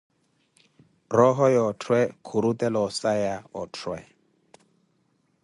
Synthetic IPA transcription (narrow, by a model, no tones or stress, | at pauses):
rɔɦɔjɔtʰwɛkʰuɾutɛlɔsajaɔtʰwɛ̰